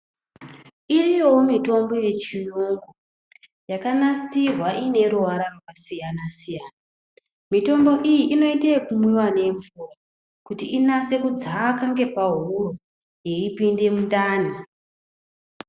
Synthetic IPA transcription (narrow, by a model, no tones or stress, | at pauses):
irijomito̞mbo̞je̞t͡ʃinoŋɡo | jakanasirwaʔine̞ɾuʋaɾaʋakasijanasijana | mito̞mbo̞ʔijiʔino̞itekumwiwane̞ɱvura | kutiinase̞kud͡zakaŋɡe̞paɦuro | je̞ipinde̞mundaːna